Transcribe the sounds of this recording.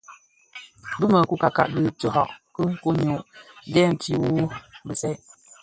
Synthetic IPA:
bɨ˦mə˨ku˦ka˨ka̰˨ʔdɨ˦to˨hɔ̰˦˨ʔkə˦ku˦ɲo˨ʔdɛ˦˨m̩˨ti˦wu˦bɨ˨sɛ˦

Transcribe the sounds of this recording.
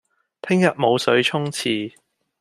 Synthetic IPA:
t̪ʰɪ˥ŋjɐ˨t̚mo˨˧wsɵ˨˧˥ɥt͡ʃʰʊ˥ŋt͡sʰiː˨˩

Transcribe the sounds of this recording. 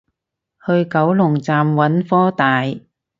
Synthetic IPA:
hɵ˧ɥkɐ˨˥wlʊ˨˩ŋt͡saː˨mwɐ˨˥nfɔː˥t̪aː˨j

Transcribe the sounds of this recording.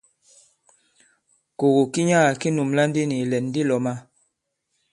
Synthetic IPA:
ko˨ɣu˨ki˦ɲa˦˨ki˦nu˨mla˦n˦di˦ni˨lɛ˨nː˦di˦lɔ˨ma˦

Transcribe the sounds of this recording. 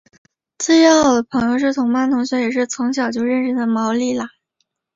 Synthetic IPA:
t͡swe˥˧jɑ˥˩ʊd̪ə˩pʰɤ˧˥ŋjo˥˧ʊʂɻ̩˥˩t̪ʰʊ˧˥ŋma˥nt̪ʰʊ˧˥ŋɕjɑ˧˥ʊjɛ˨˩ʂɻ̩˥˩t͡sʰɤ˧˥ŋɕjɑ˨˩ʊt͡ɕjo˥˧ʊɻə˥˧nʂə˥˩d̪ə˩mɑ˧˥ʊli˥˩lə˩

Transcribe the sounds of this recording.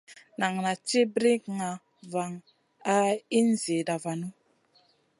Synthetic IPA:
na˨ŋna˨t͡ʃi˦bɾi˦kŋa˨ | va˨ŋ | a˦i˦n˦zi˨da˨va˨nu˦

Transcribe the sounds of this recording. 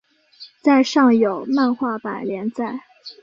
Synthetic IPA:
t͡sa˥˧ɪʂɑ˥˩ŋjo˨˩ʊma˥˧nxwa˥˩pa˨˩ɪljɛ˧˥nt͡sa˥˩ɪ

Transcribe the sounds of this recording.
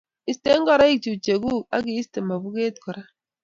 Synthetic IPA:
i˨ste˦ŋ˦kɔ˨ɾa˦i˦˨k̚t͡ʃu˨t͡ʃe˨ɡu˦˨ka̰˦ki˦i˦ste˨ma˨bu˦ke˦t̚kɔ˨ɾa˦

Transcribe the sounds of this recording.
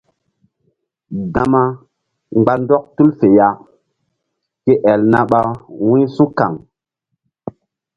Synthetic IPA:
ɡã˨ma˦ | ŋ͡mɡ͡ba˦ndɔ˦k̚tu˦lfe˨ja˨ | ke˦ʔɛ˨lna˨˦ɓa˦wĩ˦su˦ka̰˨ŋ

